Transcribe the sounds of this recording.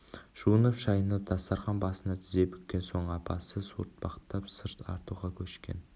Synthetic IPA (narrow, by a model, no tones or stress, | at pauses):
ʒ̥uənəpʃɑjənəp̚d̪̥ɑst̪ɑɾʁɑnbɑsənɑt̪ʰɪze̞pʏ̥k̪̚ʲkʲːe̞nso̞ɴɑpʰɑsəsṵɾt̪̚b̥ɑʁə̥t̪ːɑpsəɾt̪ʰɑ̰ɾt̪uʁɑkʲʰɵʃkʲe̞̰n